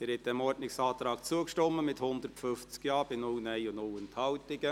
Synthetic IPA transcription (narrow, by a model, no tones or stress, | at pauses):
ɛːɾɛt̚d̥ɛmɔɾdnɪksɑːt̪ɾɑːkt͡suəkʃtɔmːəmɪthʊnd̪əɾtfʏft͡skjɑːb̥ɪnʊlnɛɪʊnʊlənthɑwtɪɡə